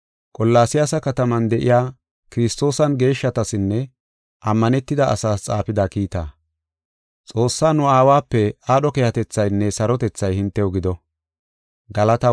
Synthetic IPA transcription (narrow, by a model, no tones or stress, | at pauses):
kʼɔlːaːsɪjasɐkɐt̪ɐmɐnd̪ɛʔɪ̰jaː | kɪɾɪst̪o̞ːsɐnɡe̞ːʃːɐt̪ɐsɪnːɛ | ʔɐmːɐnɛt̪ːɪd̪ɐʔɐsaːst͡sʼaːfɪd̪aːkiːt̪aː | t͡sʼo̞ːsːaːnʊaːwaːpːɛaːɗɔkɛjɐt̪ɛt͡sːɐjnːɛsɐɾɔt̪ɛt͡sːɐjhɪnt̪ːɛɔɡɪd̪ɔ | ɡɐlɐt̪ɐ